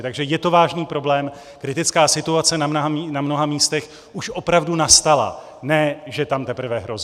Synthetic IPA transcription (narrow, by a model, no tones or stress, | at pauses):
t̪aɡʒɛjɛt̪o̞vaːʒniːpɾo̞blɛːm | kɾɪt̪ɪt͡skaːsɪt̪uat͡sɛnamnɦainamno̞ɦamiːst̪ɛx | ʔuʃʔo̞pɾavdunast̪ala̰ | nɛːʒɛt̪amt̪ɛpr̩vɛɦɾo̞z